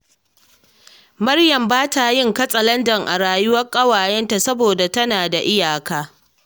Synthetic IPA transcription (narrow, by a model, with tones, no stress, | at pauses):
mɐ˦rjɐ˨mbaː˦ta˨jɪ˦ŋkɐ˦sʼɐ˨lɐ˦ndɐ˨ŋʔa̰˨ɽaː˨jʊ˦wɐ˦rkʼɐ˦waː˨jɛ˦nta˨sɐ˦boː˨da˨tɐ˦naː˨da˨ʔɪ˦jaː˨kaː˦